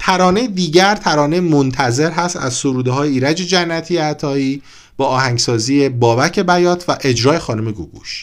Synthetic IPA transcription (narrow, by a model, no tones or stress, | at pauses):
t̪ʰæɾɒːne̞jed̪iːɟæɾt̪ʰæɾɒːnejemont̪ʰæzeɾɦæst̪æ̰zsoɾuːd̪eɦɒːjeiːɾæd͡ʒe̞d͡ʒænːæt̪ʰijeæt̪ʰɒːiː | b̥ɒːɒːhæŋɡsɒːzijebɒːbæcʰe̞bæjɒːt̪ʰvæʔe̞d͡ʒɾɒːje̞xɒːnome̞ɡṵɡṵʃ